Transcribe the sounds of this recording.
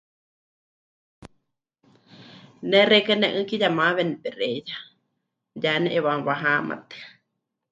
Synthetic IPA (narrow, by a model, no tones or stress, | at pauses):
nɛrekənɛʔɨkijamaβenɨpɛreja | janɛʔeβãβaɦama̰t̪ɨ̥